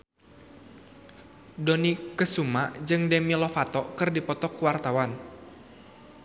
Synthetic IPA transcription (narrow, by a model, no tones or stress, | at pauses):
dɔnikəsumad͡ʒɨŋdɛmilɔfat̪ɔkɨrdipɔt̪ɔkuwart̪awan